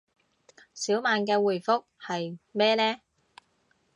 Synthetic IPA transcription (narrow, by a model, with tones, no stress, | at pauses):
siː˨˥wmaː˨˧nkɛː˧wuː˨˩jfʊ˥k̚hɐ˨jmɛː˥lɛː˥